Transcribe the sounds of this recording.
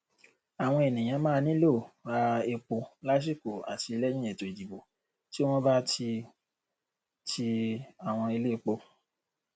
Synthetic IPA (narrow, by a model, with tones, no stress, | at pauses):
a˨w̃ɔ̃˧e˨nĩ˨j̃ã˨˧mãː˦˧nĩ˦lo˦˨a˦e˧k͡po˧la˦ʃ̬i˦˨ko˨a̰˨ti˧i˧lɛ˦j̃ĩ˦e˨to˨i˨d͡ʒi˨bo˨ | ti˦w̃ɔ̃˦ba˦ti˧ | tʰi˧a˨w̃ɔ̃˧e˧le˦˧k͡po˧